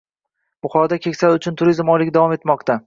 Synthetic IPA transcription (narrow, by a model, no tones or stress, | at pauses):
b̥ʊχɒd̪akʲʰekʲsalʊt͡ʃʰʊnt̪ʰʊɾizmɒlɪd̪avɒme̞t̪mɒqt̪ʰa